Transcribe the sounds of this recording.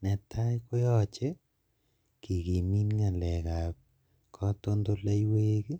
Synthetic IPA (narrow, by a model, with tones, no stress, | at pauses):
nɛ˨tʰa˦jkʊ˦jɔ˦t͡ʃɛ˦ | ki˨ki˨mi˦nŋa˨lɛ˨ka˨p̚ | kʰɔ˦to˦ndo˦la˦jwe˦ki˦